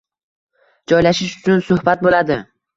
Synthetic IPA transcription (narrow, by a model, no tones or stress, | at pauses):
d͡ʒɒjlaʃɪʃʊ̥t͡ʃʰʊnsʊhbat̪̚bolad̪ɪ